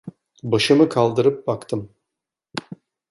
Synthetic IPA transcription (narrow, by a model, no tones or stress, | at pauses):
bɯʃɨməkʰɑlˠd̪əɾɯp̚bɑkt̪əm